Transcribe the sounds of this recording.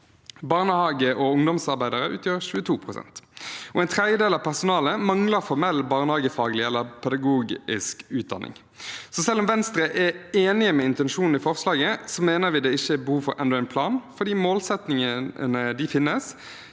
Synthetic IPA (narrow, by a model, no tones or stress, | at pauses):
bɑːʁnəhɑːɡəʔɔʊŋd̪ɔmsɑʁbæɪd̪əɾəʔʉ̰ːt̪ʰjøːʁɕʉːət̪ʰuːpʰʁʊsɛ̰nt̪ɔɛɪnt̪ʰʁɛd̪jəd̪eːlɑːʋpʰæʁsʊnɑːləmɑŋləʁfɔʁmɛlːbɑːʁnəhɑːɡəfɑːɡəlɪɛlːəpʰɛd̪ɑɡuːɡɪskʉːt̪̚d̪ɑnːɪ̰ŋ | sɔsɛlːɔmʋɛnst̪ɾəʔɛeːnɪəmɛɪnt̪ɛnʂuːn̩ɪfɔʁslɑːɡəsɔmeːnəɾʋɪːd̪ɛɪçːəbəhuːfɔɾʔɛ̰nd̪ɔæɪnpʰlɑːnfɔd̪iːmoːlsɛt̪nɪŋənəd̪ɪfɪnːəs